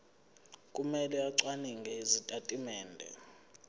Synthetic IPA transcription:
kʼumɛlɛaǀwaniŋɡʱɛizitʼatʼimɛːndʱɛ̰

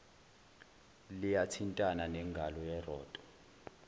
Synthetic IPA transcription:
lijatʰintʼananɛŋɡʱalɔjɛrɔːd̥ʼɔ̥

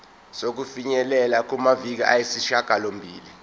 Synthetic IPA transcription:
sok̬ufiɲɛlɛlak̬umavik̬iʔajisiʃaɡ̥ʱalombʱḭːli

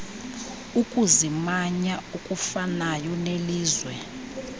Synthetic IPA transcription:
ukʼuzimaɲaukʼufanajɔneliːzwɛ

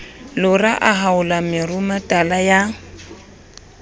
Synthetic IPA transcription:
lʊraʔaɦaʊlamɪrʊmatʼalaja

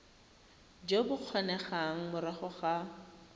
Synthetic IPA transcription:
d͡ʒobʊq͡χʰɔnɛχaŋ̩mʊɾaχʊχa

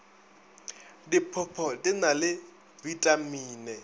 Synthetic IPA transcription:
dipʰʊpʰɔtʼɪnalɪ | vitʼamiːnɛ

